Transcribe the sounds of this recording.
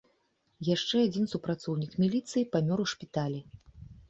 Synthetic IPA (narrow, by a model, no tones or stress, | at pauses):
jaʂt͡ʂɛad͡zʲinsupɾat̪sɔwnʲikmʲilʲit̪sɨjipamʲɔɾuʂpʲit̪alʲi